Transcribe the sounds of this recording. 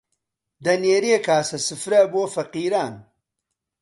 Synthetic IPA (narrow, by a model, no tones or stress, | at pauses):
d̪ɐneːɾeːkʰaːsɐsɨfɾɐboːfɐqiːɾaːn